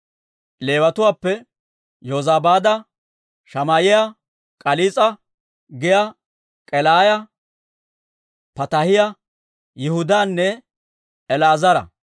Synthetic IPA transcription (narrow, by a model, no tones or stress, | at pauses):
le̞ːwɐt̪ʊwaːpːɛ | joːzaːbaːd̪ɐ | ʃɐmaːjɪjɐ | kʼɐliːt͡sʼɐ | ɡɪjɐ | kʼɛlaːjɐ | pɐt̪ɐhɪjɐ | jɪhʊd̪aːnːɛ | ɛlaːzɐɾɐ̰